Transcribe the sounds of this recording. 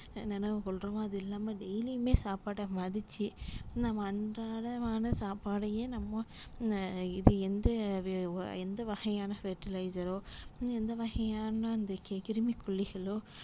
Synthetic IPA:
nɛnɐʋɯkɔɭɾɐmãːɐðɯɪlːaːmɐɖɛjlimeːsaːpaːɽɐmɐðɪt͡ʃːɯnɐmːɐːɳɖaːɽɐaːnɐsaːpaːɽɐjeːnɐmːɐ̃ | ɪðɯɛnd̪ɐ | ɛnd̪ɐʋɐɣɐjaːnɐfeːʈɪlɐɪsɐɾoːɛnd̪ɐʋɐɣɐjaːnɐːnd̪ɐkɛkɪɾɯmikʊɭːɪɣɐɭoː

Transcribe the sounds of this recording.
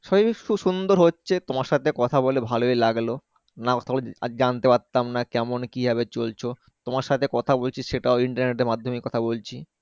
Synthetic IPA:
ʃɔbiʃuʃund̪oɾɦotːɕʰet̪omaɾʃat̪ʰekɔt̪ʰabolebʱaloelaɡlo | nakɔt̪ʰaboled͡ʑant̪epaɾt̪ːamnakɛmonkibʱaβet͡ɕolt͡ɕʰo | t̪omaɾʃat̪ʰekɔt̪ʰabolt͡ɕʰiʃeʈaoiɳʈaɾneʈeɾmad̪ʱːomekɔt̪ʰabolt͡ɕʰi

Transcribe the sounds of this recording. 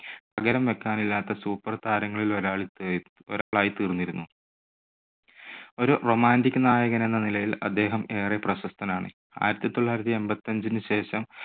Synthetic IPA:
pɐɡɐɾɐmʋe̞kːaːnilːaːt̪ːɐsuːpːɐrt̪aːɾɐŋːɐɭilo̞ɾaːɭi | o̰ɾaːɭaːjit̪iːrnːiɾunːu | o̞ɾuro̞ːmaːndikʲːunaːjɐɣɐne̞nːɐnilɐjilɐ̰d̪ːe̞ːɦɐme̞ːreprɐɕɐst̪ʰɐnaːɳɨ̰ | a̰ːjiɾɐt̪ːit̪o̞ɭːaːjɾɐt̪̬ːie̞mbɐt̪ːɐɲd͡ʑinɨɕe̞ːɕɐm

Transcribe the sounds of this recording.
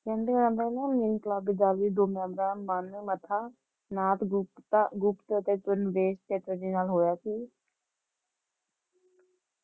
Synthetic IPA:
kɛ̃ːnd̪eənãːd̪ənɛ̃ːmiːnklaːbɪd͡ʒ̪aːliːd̪oːmɛ̃ːmɾaːnmaːnʋeːmət̪ʰaː | naːt̪ | ɡʊpt̪ət̪eːt͡ʃʊnʋeːst̪eːʈəd͡ʒiːnaːlɦoːjaːsiː

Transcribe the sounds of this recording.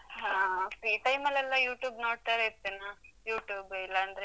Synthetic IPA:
ɦaːfɾiːʈɐjmɐlɛlːɐjuːʈjuːbnoːɽt̪aːɾeit̪ːenːajuːʈjuːbilːɐːnd̪ɐɾe

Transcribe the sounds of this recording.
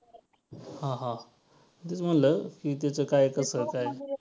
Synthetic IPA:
hãɦã | t̪et͡səm̤ənləkit̪̬jat͡səkajkəsəkaj

